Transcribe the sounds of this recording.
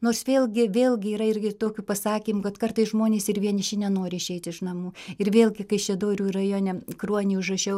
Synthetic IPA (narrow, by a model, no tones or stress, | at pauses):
noːrsʋʲeːlʲˠɡʲɪʋʲeːlˠʲɡʲɪiːɾɐɪrʲɡʲɪt̪oːkʲʊpɐsɑːkʲiːmʊkɐt̪kɐrt̪ɐɪsʒmoːnʲeːsɪrʋʲiɛnʲɪʃʲɪnʲɛnoːɾʲɪɪʃʲɛɪt̪ʲɪʃnɐmuːɪrʋʲeːlʲˠɡʲɪkɐɪʃʲɛd̪oːɾʲuːrɐjoːnʲɛkruɔnʲɪʊʒrɐʃʲɛʊ